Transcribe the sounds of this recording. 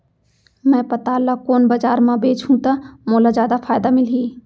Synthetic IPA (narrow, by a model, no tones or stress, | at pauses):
mɛ̃ːpɐt̪aːlakoːnbɐzaːɾmãbeːt͡ʃʰũt̪ɐmoːlazaːd̪afʰaːjd̪amɪlɦiː